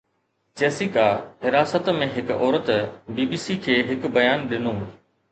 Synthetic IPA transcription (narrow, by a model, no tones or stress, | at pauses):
d͡ʑeːsikaːɦɪɾaːsət̪mẽɦɪkɔːɾət̪biːbiːsikʰeːɦɪkbɐjaːnɗɪnoː